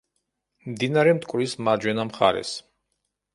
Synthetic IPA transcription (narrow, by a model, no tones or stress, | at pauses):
md̪inaɾɛmt̪ʼkʼɾismad͡ʒwɛnamχa̰ɾɛ̰s